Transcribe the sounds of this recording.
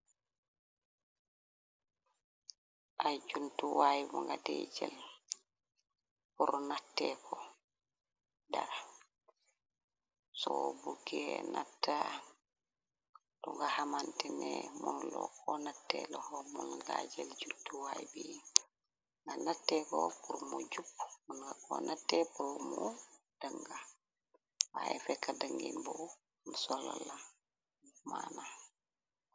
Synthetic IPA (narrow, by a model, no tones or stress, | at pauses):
ʔajd͡ʒuntuwajmɔŋɡadɛd͡ʒɛl | puɾɔnatːɛkʰɔ | daa | sɔbuɡɛna̰tːa | d̥ɔŋɡahamantɛnɛmunlɔ̰kʰɔnatːɛlɔhɔmunɡad͡ʒɛld͡ʒutːuwajbi | ŋɡanatːɛkɔpuɾmud͡ʒupːmunɡakɔnatːɛpuɾmu | d̥aŋɡa | waɛfɛkːadaŋɡinbɔ | nsɔlɔla | mana